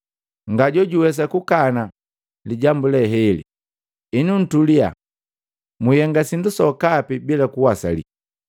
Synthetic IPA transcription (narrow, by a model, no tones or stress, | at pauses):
ŋɡaɟɔɟuwɛs̬akukana | liɟambulɛɦɛlḭ | inun̩tulia̰ | mujɛŋɡasindusɔkapibilakuwasa̰lḭ